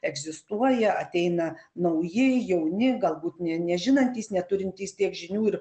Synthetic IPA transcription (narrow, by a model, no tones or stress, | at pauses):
ɛɡzʲɪst̪uɔjɛɐt̪ʲɛɪnɐnɐʊjɪjɛʊnʲɪɡɐlˠbuːt̪nʲɛnʲɛʒʲɪnɐnʲt̪ʲiːsnʲɛt̪ʊɾʲɪnʲt̪ʲiːst̪ʲiɛkʒʲɪnʲuːɪɾ